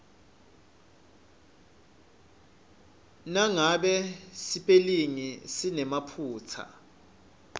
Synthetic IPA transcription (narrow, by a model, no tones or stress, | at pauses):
naŋaɓɛsipʼeliŋisinɛmapʰuːt͡sʰa̰